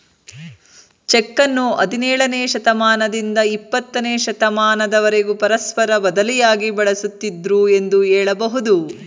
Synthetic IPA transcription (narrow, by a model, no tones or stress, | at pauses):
t͡ʃɛkːɐnːuɐ̰d̪inɛːɭɐneːʃɐt̪ɐmaːnɐd̪ind̪ɐipːɐt̪ːɐneːʃɐt̪ɐmaːnɐd̪ɐʋɐɾeɡupɐɾɐspɐɾɐbɐd̪ɐlijaːɡibɐɭɐsut̪ːid̪ɾue̞nd̪uɛːɭɐbɐɦud̪u